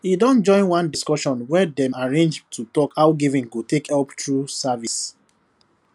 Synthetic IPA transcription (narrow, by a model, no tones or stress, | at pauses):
idɔ̃nd͡ʒɔ̃ɪ̃nwãndiskɔʃɔ̃nwɛdɛ̃maɹẽnd͡ʒtʰutɔkaʊɡivĩŋɡotekɛptɹusavis